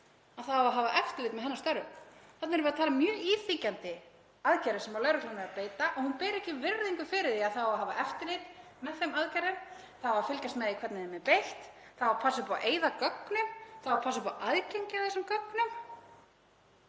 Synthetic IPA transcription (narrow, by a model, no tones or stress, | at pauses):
aðθawaɦaːvaʔɛft̪ɪlɪjt̪mɛðɦɛnːast̪œɾʏmθɛt̪nɛɾvɪɾat̪ʰaːlɪmːjœːiːθicant̪ɪ | aðcaɾɪsɛmaɾlœːɥɾʏkʰlamɛðapeːjt̪aʔɔɣhunpɛːɾɪɛhcɪvɪɾðiŋkʏfɪɾɪðiaðθawaɦaːvaʔɛft̪ɪlɪt̪ | mɛðθejmaðcajɾɪm | θaaafɪlcast̪mɛðikʰvɛt̪nɪðɛmɛpejht̪ | θawwapʰasʏpawʔeːjðakœknʏmθawapʰasʏpawʔaðceɲcaðɛsamkœknʏm